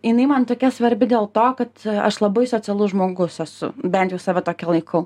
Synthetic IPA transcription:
jɪnɐɪmɐnt̪oːkʲɛsʋɐɾʲbʲɪd̪ʲeːlˠt̪oːkɐt̪ɐ̰ʃlˠɐbɐɪsoːt͡sʲɛlˠʊʒmoːɡʊsɛsʊ̰bʲɛnt̪jɛʊsɑːʋʲɛt̪oːkʲɛlˠɐɪkʰɐʊ

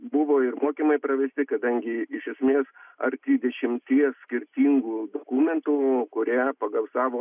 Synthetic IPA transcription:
bʊʋoːɪrmoːkʲimɐɪpɾɐʋʲɛsʲt̪ʲɪkɐd̪ɐŋʲɡʲɪɪʃʲɛsʲmʲeːsɐ̰ɾt̪ʲiːd̪ʲɛʃʲɪmʲt̪ʲiɛssʲkʲɪɾʲt̪ʲiːŋɡuːd̪oːkuːmʲɛnt̪ukʊɾʲæːpɐɡɐlsɑːʋoː

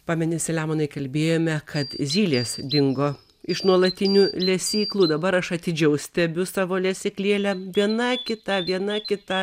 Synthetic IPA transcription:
pɑːmʲɛnʲɪsʲɪlʲæːmonɐɪkɐlʲbʲeːjoːmʲɛkʰɐt̪zʲiːlʲeːsd̪ʲɪŋɡoː | ɪʃnuɔlˠɐt̪ʲɪnʲuːlʲɛsʲiːklˠuːd̪ɐbɐɾɐʃɐt̪ʲɪd͡ʒʲɛʊsʲt̪ʲɛbʲʊsɑːʋoːlʲɛsʲɪklʲeːlʲɛʋʲiɛnɐkʲɪt̪ɐʋʲiɛnɐkʲɪt̪ɐ

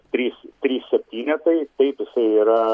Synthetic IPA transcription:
t̪ʲɾʲiːst̪ʲɾʲiːsʲsʲɛpʲt̪ʲiːnʲɛt̪ɐɪt̪ɐɪpjɪsɐɪiːɾɐ

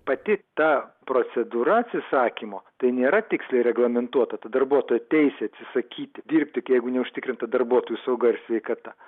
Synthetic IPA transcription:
pɐt̪ʲɪt̪ɑpɾoːt̪sʲɛd̪uːɾɐɐt̪ʲsʲɪsɑːkʲimoːt̪ɐɪnʲeːɾɐt̪ʲɪksʲlʲɛɪɾʲɛɡlˠɐmʲɛnt̪uɔt̪ɐt̪ɐd̪ɐrbuɔt̪oːjɛt̪ʲɛɪsʲɛɐt̪ʲsʲɪsɐkʲiːt̪ʲɪd̪ʲiːɾʲpʲt̪ʲɪkjɛɪɡʊnʲɛʊʃʲt̪ʲɪkɾʲɪnt̪ɐd̪ɐrbuɔt̪oːjusɐʊɡɐɪɾsʲʋʲɛɪkɐt̪ɐ

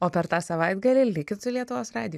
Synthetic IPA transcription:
oːpʲɛɾt̪ɑːsɐʋɐɪd̪ɡɐlʲɪlʲɪkʲt̪sʊlʲiɛt̪ʊʋoːsɾɑːd̪ʲɪj

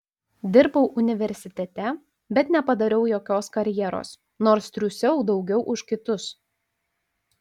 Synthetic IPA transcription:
d̪ʲɪɾbɐʊʔʊnʲɪʋʲɛɾʲsʲɪt̪ʲɛt̪ʲɛ | bʲɛt̪nʲɛpɐd̪ɐɾʲɛʊjoːkʲoːskɐɾʲjɛːɾo̰ːs | noːɾst̪ʲɾʲusʲɛʊd̪ɒʊɡʲɛʊʔʊʃkʲɪt̪ʊs

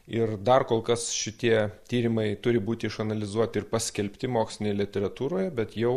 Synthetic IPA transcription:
ɪrd̪ɐrkoːlˠkɐsʃʲɪt̪ʲiɛt̪ʲiːɾʲɪmɐɪt̪ʊɾʲɪbuːt̪ʲɪɪʃɐnɐlʲɪzuɔt̪ʲɪɪrpɐsʲkʲɛlʲpʲt̪ʲɪmoːksʲlʲɪnʲeːjɛlʲɪt̪ʲɛɾɐt̪uːɾoːjɛbʲɛt̪jɛʊ

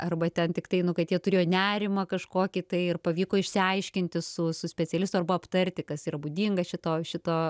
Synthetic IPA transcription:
ɐrbɐt̪ʲɛnt̪ʲɪkt̪ɐɪnʊkɐt̪jʲiɛt̪ʊɾʲeːjoːnʲæːɾʲɪmɐkɐʃkoːkʲit̪ɐɪɪrpɐʋʲiːkoːɪʃʲsʲɪɐɪʃʲkʲɪnʲt̪ʲɪsʊsʊsʲpʲɛt͡sʲɛlʲɪst̪ʊɐrbɐɐpt̪ɐɾʲt̪ʲɪkɐsiːɾɐbuːd̪ʲiːŋɡɐʃʲɪt̪oːʃʲɪt̪oː

